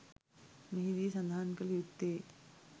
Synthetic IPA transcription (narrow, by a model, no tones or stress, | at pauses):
məɦiliːsə̃nd̪ʱankəljut̪ːe